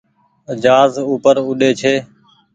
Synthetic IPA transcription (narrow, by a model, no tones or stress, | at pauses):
əd͡ʒaːzuːpəɾʊɗeːt͡ʃʰeː